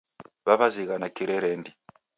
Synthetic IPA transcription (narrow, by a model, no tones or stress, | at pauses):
βaβaziɣanakiɾeɾeːndi